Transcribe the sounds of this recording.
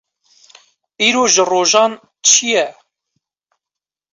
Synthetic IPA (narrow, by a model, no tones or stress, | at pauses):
iːɾoːʒəroːʒɑːn | t͡ʃʰijɛ